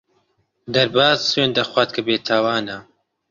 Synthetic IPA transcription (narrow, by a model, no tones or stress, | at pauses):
d̪ɐɾbaːzsweːnd̪ɐxwaːt̪̚kʰəbeːt̪ʰaːwaːna